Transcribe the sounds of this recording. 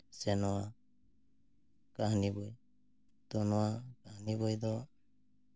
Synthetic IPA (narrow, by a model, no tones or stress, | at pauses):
sɛnɔwa | kahnibɔj | t̪ɔnɔwakahnibɔjd̪ɔ